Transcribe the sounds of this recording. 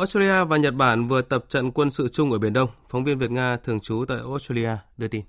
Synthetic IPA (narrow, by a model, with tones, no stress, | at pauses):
ʔo˦˥s̚tə˧li˧aː˧vaː˨˩ɲə˨˩t̚ɓaː˧˩nvɨ˨˩ət̪ə˨˩p̚t͡ɕə̰˧˨nkwə˧nsɨ̰˧˨t͡ɕʊ˧ŋ͡mʔə˧˩˨i˧˩ənɗə˧wŋ͡mfɔ˨˦wŋ͡mvi˧ənvi˨˩t̚ŋaː˧t̪ʰɨ˨˩əŋt͡ɕu˨˦t̪a̰ː˧˨jʔo˦˥sta˧li˧ʔaː˧ɗɨ˧ət̪i˧n